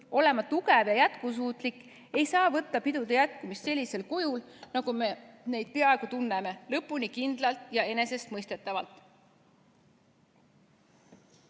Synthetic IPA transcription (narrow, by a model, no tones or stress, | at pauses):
o̞le̞mɑt̪uɡe̞vjɑjæt̪kus̬uːt̪ˑlikːˑ | e̞jsɑːvɤ̞t̪ːɑpid̪̥ud̪ejæt̪̚kumist̪se̞lʲːise̞lkujulnɑɡ̥ume̞ne̞jd̪̥̚pe̞ɑeɡ̥ut̪unːeme̞lɤpːˑunikind̪̥lɑlt̪ˑjɑe̞ne̞se̞st̪mɤjst̪e̞t̪ːˑɑvɑ̰lt̪ˑ